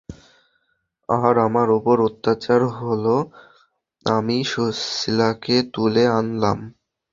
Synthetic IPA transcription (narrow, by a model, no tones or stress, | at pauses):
aɾamaɾopoɾot̪ːat͡ɕaɾɦolo | amiʃosilaket̪uleanla̰m